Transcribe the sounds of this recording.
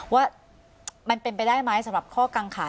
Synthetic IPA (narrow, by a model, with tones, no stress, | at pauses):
waː˥˩ | ma˧npe˧npa˧jdaː˥˩jma˦˥jsa˨˦mɾa˨˩p̚kʰɔː˥˩kaː˧ŋkʰaː˩˦